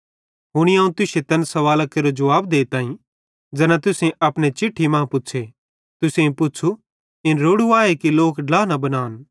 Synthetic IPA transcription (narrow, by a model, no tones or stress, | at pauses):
ɦʊɽ̃iaːũt̪ʊset̪ɐnsɐʋaːlakɐɾod͡ʒɐʋaːbd̪eːt̪ãːĩ | d͡ʒɛnãt̪ʊsẽʔɐpɽ̃et͡ʃɪʈʰːimãːpʊtːt͡ʃʰe | t̪ʊsẽpʊtːt͡ʃʰu | ɪnɾoːɽuaːekiloːkɖlaːnɐbɐnaːn